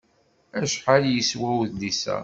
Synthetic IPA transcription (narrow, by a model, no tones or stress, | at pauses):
æʃħaljəswæwðlisæ̰